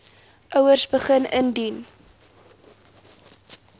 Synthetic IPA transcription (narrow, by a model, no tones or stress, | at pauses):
ʔœwərsbəχənəndin